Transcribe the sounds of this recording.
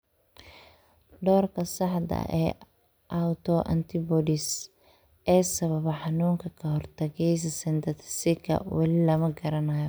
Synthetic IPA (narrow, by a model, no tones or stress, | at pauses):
ɖɔːrkʰɐsɑħd̪ɐ̰ɛ̰ː | ʔawt̪ʰɔʔɐ̰nt̪ʰɪbɔdɪs | ʔɛːsɐβɐβɐħɑnuːŋkʰɐkʰɐɦɔrt̪ʰɐɣɛjs̬ɐsɛnd̪ɐt̪ʰsɪkʰɐ̰wɐlɪlɐmɐɡɐɾɐnɐjɔ